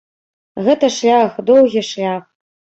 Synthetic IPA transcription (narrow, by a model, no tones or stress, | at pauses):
ɣɛt̪ɐʂlʲaxd̪owɣʲiʂlʲax